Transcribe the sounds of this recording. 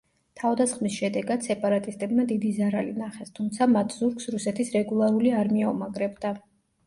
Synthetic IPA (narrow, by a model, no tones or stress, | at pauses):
t̪ʰavd̪asχmisʃɛd̪ɛɡad̪̥sɛpʼaɾat̪ʼist̪ʼɛbmad̪id̪izaɾalinaχɛst̪ʰumt̪sʰamat̪ʰz̥uɾksɾusɛt̪ʰisɾɛɡulˠaɾuliaɾmiaumaɡɾɛbd̪a